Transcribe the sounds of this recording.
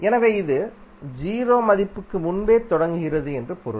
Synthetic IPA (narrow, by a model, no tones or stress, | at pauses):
ɛnɐʋeːɪðɯd͡ʒiːɾoːmɐðɪpːɯkːɯmʊnbeːt̪ɔɽɐŋɡɯɣɪrɐðɯɛndrɯpɔɾɯ̰